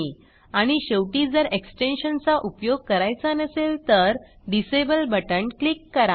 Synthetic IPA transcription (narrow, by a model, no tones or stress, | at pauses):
i | aɽ̃iɕəwʈiːd͡zəɾeksʈenɕənt͡saʔupjoɡ̚kəɾajt͡sanəselt̪əɾ | ɖisebəlbəʈəɳklikːəɾa